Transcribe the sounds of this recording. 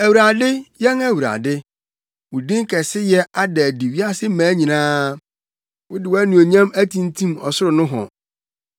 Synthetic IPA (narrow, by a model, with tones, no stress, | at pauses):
æ˨wu˨ɾa˨dɪ˦jɛ˦ŋæ˦wu˨ɾa̰˨dɪ˦ | wʊ˨dĩ˦ŋ˦kʰɛ˨sɪ˦jɛ˦a˦dɛ˨æ˨di˨ɥi˦a˦sɪ˦mãː˨˦ɲĩ˨nãː˦ | wʊ˦dɪ˨wæ˦nʊ̃˨o˨ɲã˦mæ˦tʰĩ˨n˦tʰĩ˦mɔ˨sʊ˦ɾʊ˨nʊ̃˦ɦɔ̰̃˨